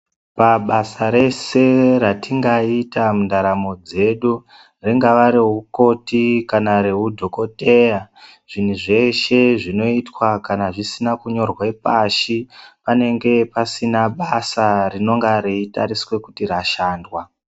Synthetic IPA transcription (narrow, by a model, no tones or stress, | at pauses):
paɓasaɾe̞se̞ratʰiŋɡaitamundaɾamo̞d͡ze̞ɗu | riŋɡaʋaɾiɦuko̞tikanaɾe̞ɦudʱo̞ko̞te̞ja | ʐ̥in̤uʐe̞ʃe̞ʐino̞itwakanaʐisinakuɲo̞rwaipaʃipane̞ŋɡe̞pasinaɓasarino̞ŋɡaɾiitaɾiswe̞kutiɾaʃaːndwa